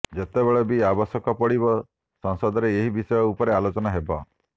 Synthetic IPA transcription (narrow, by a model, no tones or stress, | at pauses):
d͡ʒet̪ebeɭɔbiabɔsɔkɔpɔɽibɔ | sɔŋsɔd̪ʱɔɾeːɦibisɔjɔupɔɾealot͡ʃɔnaɦebɔ